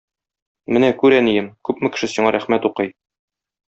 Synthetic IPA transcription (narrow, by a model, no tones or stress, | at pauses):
mɘnækʉɾænijɘmkʉpmɘ̆kɘ̆ʃɘsiɴɑɾæχmæt̪uqɤj